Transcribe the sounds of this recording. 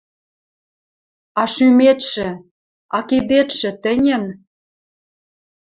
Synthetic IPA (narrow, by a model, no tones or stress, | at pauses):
ɑʃymet̪ʃɘ̆ | ɑkid̪et̪ʃɘ̆t̪ɘ̆nʲɘ̆n